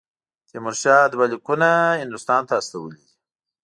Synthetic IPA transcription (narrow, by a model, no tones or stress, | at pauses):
t̪emʊɾʃɑd̪balikunahɪnd̪ust̪ɑːnt̪aːst̪awəlid̪i